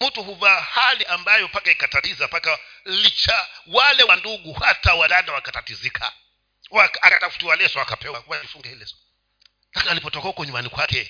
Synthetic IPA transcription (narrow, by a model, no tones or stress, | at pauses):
m̩tuhuvahaliʔambajɔpakaikatatizapaka | lit͡ʃawalɛwanduɠuhatawalandawakatatizikʰa̰ | wakakatafu̥tiwalɛsɔakapɛwawalifuŋɡahilɛsɔ̥ | lakinalipɔtɔkahukɔɲumbanikwakɛ